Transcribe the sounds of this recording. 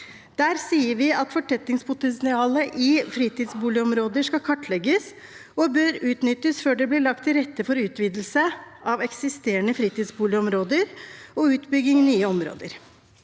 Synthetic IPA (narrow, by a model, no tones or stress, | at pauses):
d̪̥æːɾsiːəɾʋɪɑt̪fɔʈʰɛt̪ːɪŋspʰʊt̪ɛnsɪɑːləʔɪfɾiːt̪ɪːd̪sbuːlɪɔmɾoːd̪əʂkɑkʰɑʈːlɛɡəs | ɔbœɾʉːt̪nʏt̪ːəsføːɖɛblɪːɭɑk̚t̪ʰːɪlɾɛt̪ːəfɔɾʉːt̪ʋiːd̪l̩səɑʋɛksɪst̪eːəɳəfɾiːt̪ɪːd̪sbuːlɪɔmɾoːd̪əɾɔʉːt̪bʏɡɪŋnyːəɔmɾo̰ːd̪ə̰ɾ